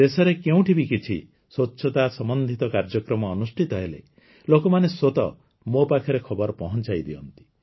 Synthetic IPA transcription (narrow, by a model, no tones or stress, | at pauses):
d̪esɔɾekeũʈʰibikit͡ʃʰḭ | swotːʃʰɔt̪asɔmɔnd̪ʱit̪ɔkaɾd͡ʒɔkɾɔmɔːnusʈʰit̪ɔɦelḛ | lokɔmanesot̪ɔ | mopakʰɔɾekʰɔbɔɾɔpɔɦɔnt͡ʃajd̪iɔnt̪i̥